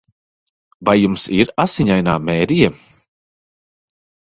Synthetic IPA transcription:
vajːumsiɾasiɲajna̰ːmɛːɾija

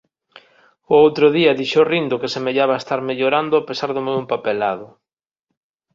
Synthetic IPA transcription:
ʊowt̪ɾʊðiɐðiʃorind̪ʊkesemeʎaβaest̪aɾmeʎoɾand̪ʊapesaɾðʊmewempapelað̞ʊ

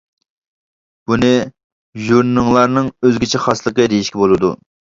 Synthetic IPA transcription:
b̥unɨ | ʒuɾnnɨŋlˠɑɾnɨŋøzɡʲit͡ʃʰɛχɑslˠəqəd̪ejiʃkʲɛbolˠɨd̪ṵ

